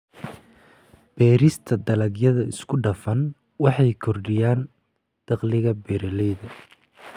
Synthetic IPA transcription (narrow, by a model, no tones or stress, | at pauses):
b̥ɛːɾɪst̪ʰɐd̪ɐlɐɡjɐðɐɪskʰʊɖɐfɐn | wɑħɑjkʰɔrɖɪjaːn | d̪̥ɑqlɪɣɐbɛːɾɐlɛjðɐ